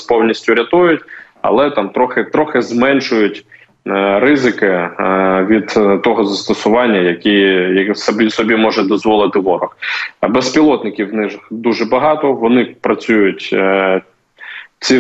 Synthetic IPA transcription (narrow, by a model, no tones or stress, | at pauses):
pɔwnʲisʲtʲʊɾʲɐt̪ɔjʊtʲ | ɐ̰lˠɛt̪ɑmt̪ɾɔxɪt̪ɾɔxɪzmɛnʃʊjʊtʲ | rɪzɪkɪ | ʋʲid̪t̪ːɔɦɔzɐst̪ɔsʊʋɑnʲːɐjɐkʲijɐsbʲisɔbʲimɔʒɛd̪ɔzʋɔlˠɪt̪ɪʋɔɾɔxbɛspʲilˠɔt̪nɪkʲiwnɪʒxd̪uʒɛbɐɦɑt̪ɔʋɔnɪpɾɐt͡sʲujʊtʲ | t͡sʲi